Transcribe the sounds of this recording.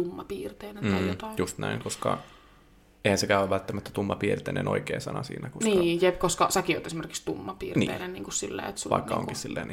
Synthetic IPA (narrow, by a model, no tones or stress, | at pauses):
umːɑpiːrt̪eːnenjjot̪ɑijust̪næiŋkoskɑ̰ | eihænsekæyæʋʋælt̪ːæmæt̪ːæ̥t̪umːɑpiːrt̪eːnḛnʔo̰ikeːsɑnɑsḭːnækonsiːjepkoskɑsækio̰t̪esimerkikst̪umːɑpiːrniːḛːnenniːŋkussilːḛːet̪suʋɑ̰ikːɑo̰ŋkissilːḛːn